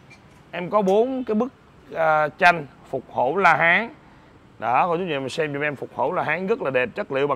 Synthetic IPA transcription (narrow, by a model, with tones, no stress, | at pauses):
ʔɛ˧mkɔ˨˦ɓo˨˦nkaː˨˦jɓɨ˦˥k̚ | əː˨˩t͡ɕa˧jŋ̟ | fʊ˨˩k͡p̚ho̰˧˩laː˧ɦaː˨˦ŋ | ɗɔ˨˦kɔ˧˩ʊ˨˦ḭ˨˩ma˨˩sɛ˧mji˧˩ŋʔɛ˧mfʊ˨˩k͡p̚ho˧˩wlaː˧ɦaː˨˦ŋɣə˦˥k̚laː˨˩ɗe˨˩p̚t͡ɕə˦˥t̚lḭ˧˨ɓa˨